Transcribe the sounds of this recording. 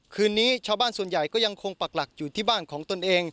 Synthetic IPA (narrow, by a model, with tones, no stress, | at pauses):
kʰɯː˧nːiː˦˥t͡ɕʰaː˧wbaː˥˩nsu˨˩ənja˨˩jkɔː˥˩ja˧ŋkʰo˧ŋpa˨˩k̚la˨˩k̚juː˨˩t̪ʰiː˥˩baː˥˩nkʰɔː˩˦ŋt̪o˧nʔeː˧ŋ